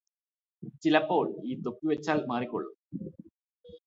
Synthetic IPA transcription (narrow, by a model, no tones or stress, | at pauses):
t͡ɕilɐpːo̞ːɭiːt̪okːuʋet͡ɕːaːlmaːrikʲːo̰ɭːṵm